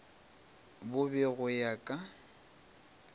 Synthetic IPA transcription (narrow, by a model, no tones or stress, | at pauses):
bʊbɪɣʊjakʼa